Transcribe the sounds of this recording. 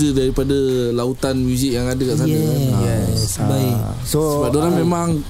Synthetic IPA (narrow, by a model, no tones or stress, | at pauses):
zədaɾipadalaut̪anmjuzik̚jaŋadəkaʔs̬aiɛbai | soəbap̚dolamemãŋ